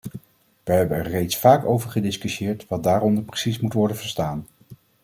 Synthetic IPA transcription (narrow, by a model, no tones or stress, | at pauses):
ʋəɦɛbənɛɹːejtsfaːkowvəɹχədɪskyʃjɪːɹtʋɑd̚daːɾɔndəɹprə̥sismutʋɔɹdənvəɹstaːn